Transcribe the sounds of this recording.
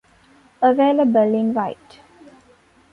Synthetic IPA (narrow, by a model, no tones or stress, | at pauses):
əʋeːləbəlɪ̃nʋaɪʈ